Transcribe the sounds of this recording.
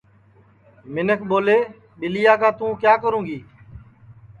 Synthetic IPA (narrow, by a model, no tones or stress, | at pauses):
mɪnəkʰɓoːleː | ɓɪlɪjaːkaːt̪ũːkjaːkəɾũːɡiː